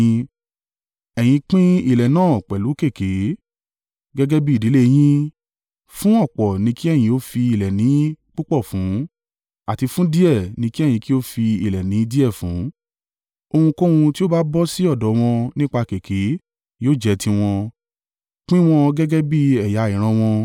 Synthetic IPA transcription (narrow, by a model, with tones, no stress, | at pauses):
ɛ˨j̃ĩ˧k͡pĩ˦i˦˨lɛ˨nãː˦˨k͡pɛ˨lu˨˦ke˦˨ke˨˦ | ɡɛ˦ɡɛ˦bi˦i˨di˨˦le˦j̃ĩ˦ | fũ˦ɔ˦˨k͡pɔ˨nĩ˧˦ki˦ɛ˦˨j̃ĩ˧o˨˦fi˧i˨lɛ˨nĩ˨˦k͡pu˦k͡pɔ˦˨fũ˨˦ | a˨ti˧fũ˦di˦ɛ˦˨nĩ˧ki˦˨jĩ˧ki˦o˦fi˧i˨lɛ˨nĩ˨˦di˦ɛ˦˨fũ˨˦ | o˧hũ˧ko˦hũ˧ti˦o˦ba˦bɔ˦si˦ɔ˦˨dɔ˨˦w̃ɔ̃˧nĩ˦k͡pa˧ke˨kʰe˨˦ | jo˦˨d͡ʒɛ˨˧tʰĩ˧w̃ɔ̃˧ | k͡pĩ˦w̃ɔ̃˧ɡɛ˦ɡɛ˦bi˦ɛ˨ja˨˦i˨ɾ̃ã˧w̃ɔ̃˧